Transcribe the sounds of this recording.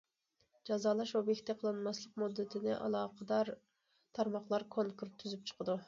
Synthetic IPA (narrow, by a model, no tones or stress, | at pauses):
d͡ʒɑzɑːlˠɑʃobjɛkʲt̪ʰɛqʰəlˠɨnmɑslˠəqmud̪ːɪt̪ʰɪnɪʔɑ̰lˠɑːqʰəd̪ɑɾ | t̪ʰɑɾmɑχlˠɑɾkʰoŋkʰuɾt̪ʰːyzyp̚t͡ʃʰə̥qʰəd̪u